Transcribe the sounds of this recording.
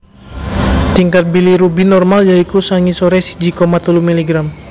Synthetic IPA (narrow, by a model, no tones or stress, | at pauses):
t̪iŋkat̪̚biliɾubinɔrmaljaikusaŋisoɾɛsi̥d͡ʒikɔmat̪ulumiliɡɾam